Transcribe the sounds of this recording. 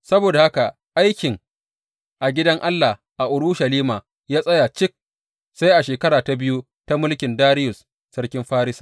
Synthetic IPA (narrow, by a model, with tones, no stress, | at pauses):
sɐ˦boː˨da˨ha˦ka˨ | ʔa˦jkʲɪ˨ŋ | ʔa˨ɡʲɪ˦dɐ˦ŋʔa˦lːa˨h | ʔa˨ʔʊ˨ɽʊ˦ʃɐ˨liː˦maː˨ | jaː˦sʼɐ˦ja˨t͡ʃɪ˦k̚ | sa˦jʔa˨ʃeː˨kɐ˦ɾaː˨ta˨bɪ˦ju˦ | ta˦mʊ˦lkʲɪ˨ndaː˦ɾɪ˦jʊ˨s | sɐ˦rkʲɪ˦mɸaː˦ɾɪ˦sḁ˨